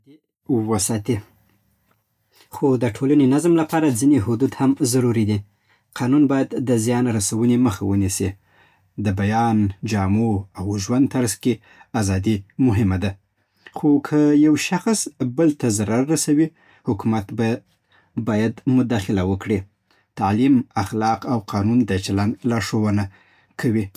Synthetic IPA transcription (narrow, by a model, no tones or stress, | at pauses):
d̪i | wəsɑt̪i | xod̪əʈʰolanenazmlapɑɾad͡zineɦʊd̪ud̪hamzaɾuɾid̪i | qʰɑnunbɑjad̪ːəzjɑnɾasawəneməxawənisi | d̪əbajɑnd͡ʒɑmoawʒwand̪t̪aɾzke | azɑd̪imʊɦɪmad̪a | xokʰəjawʃaxsbəlt̪azaɾaɾːasawi | hʊkumat̪ba | bɑjad̪mʊd̪ɑxɪlawəkɽi | t̪alimaxlɑqawqʰɑnund̪ət͡ʃalanlɑʂowəna | kʰawi